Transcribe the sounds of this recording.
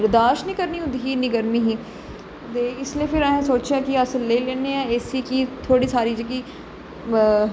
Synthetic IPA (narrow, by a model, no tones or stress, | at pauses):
əɾd̪aːʃnĩːkəɾniːɦʊ̃nd̪iːɦiːnĩːɡəɾmĩːɦiː | t̪eːɪslieːpʰɪɾãːɦːsoːt͡ʃaːkɪəsəlːeːleːneːãːeːsiːkit̪ʰoːɽiːsaːɾiːd͡ʒəɡiː